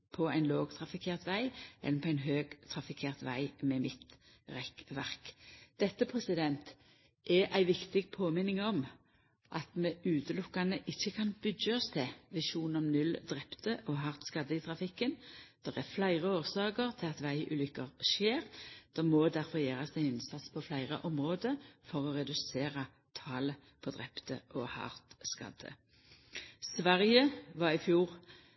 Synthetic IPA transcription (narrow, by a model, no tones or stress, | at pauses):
pʰɔæɪnloːɡt̪ʰʁɑfɪkʰeːʁt̪ʋæɪʔɛ̰lːəpʰɔæɪnɦøːɡ̥t̪ʰʁɑfɪkʰeːʁt̪ʋæ̰ɪmɛmɪt̪ | ʁɛkʋæʁkd̪̥ɛt̪ːəpʰʁɛsɪd̪ɛnt̪ | ʔɛʔæɪʋɪkt̪ɪɡpʰoːmɪnɪŋɔm | ʔɑt̪mɛʔʉːt̪əlʊkːɑnəʔɪçːəkʰɑnbʏd̪jəɔst̪ʰɛʋɪʃuːnɔmnʉld̪ʁɛpt̪əʔɔɦɑʁt̪skɑd̪ːəɪt̪ʰʁɑfɪkːənd̪̥ɛʁæflæɪʁəoːʁsɑːkəʁt̪ʰɪlɑt̪ʋæɪʔʉːlʏkːəʁʃeːʁd̪̥ɛmoːd̪æʁfɔjeːʁɑsæɪɪnsɑt̪spʰɔflæɪʁə̰ʔɔmʁoːd̪əfɔʁɔʁɛd̪ʉseːʁɑ | t̪ʰɑːlə | pʰɔd̪ʁɛpt̪əʔɔhɑ̰ʁt̪skɑ̰d̪ə̰ | sʋæʁjəʋɑʁɪfjuːʁ